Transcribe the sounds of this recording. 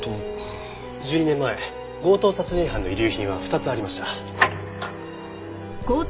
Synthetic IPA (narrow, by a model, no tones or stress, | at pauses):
d͡ʑɨːɲ̟inẽ̞mːae̞ | ɡo̞ːt̪o̞ːsat͡sɨʑĩɰ̃ɦãnːo̞iɾʲɨːçĩɰ̃β̞aɸɯ̟t̪at͡sɨaɾʲimaɕi̥t̪a | ɡ̥oː